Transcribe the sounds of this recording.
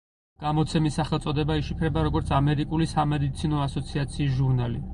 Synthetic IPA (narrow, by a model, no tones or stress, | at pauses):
ɡ̥amɔt̪sʰɛmisːaχɛlˠt̪sʼɔd̪ɛbaiʃipʰɾɛbaɾɔɡɔɾt̪sʰamɛɾikʼulisamɛd̪it̪sʰinɔasɔt̪sʰiat̪sʰiːs̬ʒuɾnali